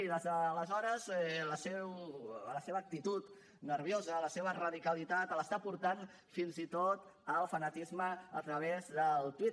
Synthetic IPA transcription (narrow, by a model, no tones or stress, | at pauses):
iðəzəːləzɔɾəzɛləsewləseβəːk̚t̪it̪ut̪ | nəɾβjozələseβ̞ərəðikəlit̪at̪ələst̪apuɾt̪an | finzit̪ot̪əlˠfənət̪izməət̪ɾəβezðəlˠt̪wit